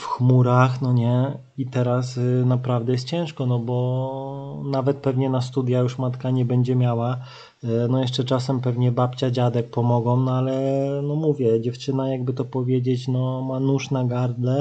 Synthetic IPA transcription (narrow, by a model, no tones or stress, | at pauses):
fxmuɾaxnɔɲɛ | it̪ɛɾasnapɾavd̪ɛjɛst̪t͡ɕɛ̃ʂkɔnɔbɔ | navɛt̪̚pɛvɲɛnast̪ud̪ʲjajuʂmat̪kaɲɛbɛɲd͡ʑɛmʲjawa | nɔjɛʂt͡ʂɛt͡ʂasɛmpɛvɲɛbapʲt͡ɕad͡ʑad̪ɛk̚pɔmɔɡɔmnɔalɛnɔmuvʲjɛd͡ʑɛft͡ʂɘnajaɡbɘt̪ɔpɔvʲjed͡ʑet͡ɕnɔmanuʂnaɡaɾd̪lɛ